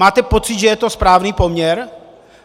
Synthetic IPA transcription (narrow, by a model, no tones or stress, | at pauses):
aːt̪ɛpo̞t͡sɪd̪ʒɛjɛt̪o̞spɾaːvniːpomɲɛɾ